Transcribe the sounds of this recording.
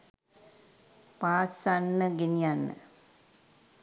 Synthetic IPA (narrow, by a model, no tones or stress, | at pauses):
paːsanːɨɡinijanːɨ̰